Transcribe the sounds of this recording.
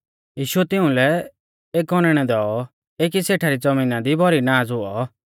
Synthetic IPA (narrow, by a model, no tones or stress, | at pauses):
jiːʃʊɛt̪ɪũlɛ | eːkɔnɛɽ̃ɛd̪ɔːɔ | eːk̬iseːʈʰaɾid͡zɐminad̪ibʱɔɾinaːd͡zɦʊɔ